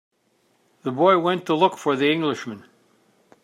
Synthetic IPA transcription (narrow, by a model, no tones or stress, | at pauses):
ðəbɔɪwɛ̃ntʰəlʊkfə˞ðiɪ̃ŋɡlɨʃmɨ̃n